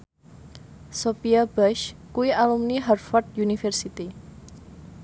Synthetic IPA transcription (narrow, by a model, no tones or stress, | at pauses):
sopiabɛʃkuwiʔalumniɦarfɔrt̪̚junifɛrsit̪i